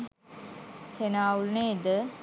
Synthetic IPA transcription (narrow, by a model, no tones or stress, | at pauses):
henaːulned̪ə